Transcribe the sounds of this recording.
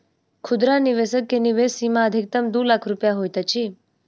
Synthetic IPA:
kʰʊd̪ɾaniʋesəkːeniʋesimaəd̪ʱik̚t̪əmd̪ulakʰɾupjaɦojt̪at͡ʃʰi

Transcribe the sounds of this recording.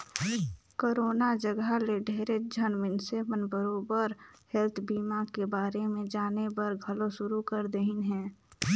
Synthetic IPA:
koːɾoːnad͡ʒəɡaleɖʱeːɾed͡ʒʱənmɪnsebənbəɾoːbəɾhɛlt̪ʰbiːmakebaːɾemẽd͡ʒaːnebəɾɡʱəloʃʊɾukəɾd̪eɦɪnɦɛ̃ː

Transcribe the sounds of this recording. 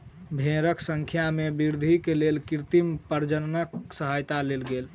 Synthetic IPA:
bʱẽɾəksəŋkʰjamebiɾd̪ʱikelelkiɾt̪impəɾd͡ʒənnəksəɦajt̪alelɡel

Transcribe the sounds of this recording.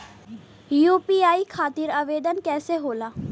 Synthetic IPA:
juːpiːaːiːkʰaːt̪iːɾəʋeːd̪ənkɛːseɦoːlaː

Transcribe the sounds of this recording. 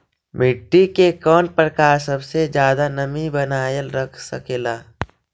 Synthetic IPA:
mɪʈːikekɔːnpɾəkaːɾsəbsed͡ʒjaːd̪anəmibənaːjəlɾəkʰsə̰keːlaː

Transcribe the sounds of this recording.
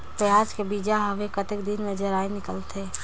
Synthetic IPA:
pəjaːd͡ʒkebiːd͡ʒaɦəʋekət̪ɪkd̪ɪnmẽd͡ʒɐɾaːinɪkəlt̪ʰe

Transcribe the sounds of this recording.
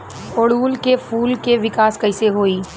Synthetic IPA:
oːɽuːlkefuːlkeʋɪkaːskɐɪseɦoːiː

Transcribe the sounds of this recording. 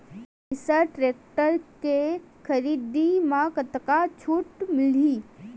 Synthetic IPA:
ɪsəʈɾeːk̚ʈəɾke | kʰəɾiːd̪imãkət̪kat͡ʃʰuːʈmɪliː

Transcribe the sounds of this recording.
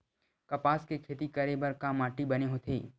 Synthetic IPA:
kɐpaːskekʰeːt̪ikɐɾebɐɾkaːmaːʈibɐneɦot̪ʰeː

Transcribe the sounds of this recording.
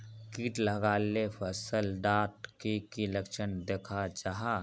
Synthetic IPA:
kiːʈləɡaːlepʰəsəlɖaːʈkekiləkʃənd̪eːkʰad͡ʒaɦa

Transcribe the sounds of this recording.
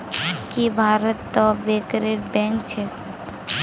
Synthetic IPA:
kibʱaːɾət̪ːɔbekɾeɾbɛ̃ŋkt͡ʃʰe

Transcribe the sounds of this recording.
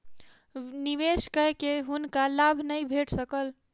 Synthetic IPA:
niʋeskəɦkeɦunkalabʱnəjbʱeʈʰsəkəl

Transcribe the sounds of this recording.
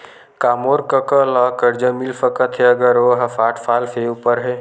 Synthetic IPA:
kamoɾkəkəlɔkəɾd͡ʒəmilfəkət̪ʰɦeəɡəɾoɦafʰaʈʰfʰalfʰeupəɾɦe

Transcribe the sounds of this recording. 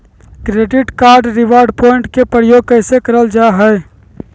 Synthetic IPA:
kɾeɖiʈkaɾɖɾiʋaɾɖpoɪɳʈkepɾəjoːɡ̚kəɪsekəɾəld͡ʒaɦə

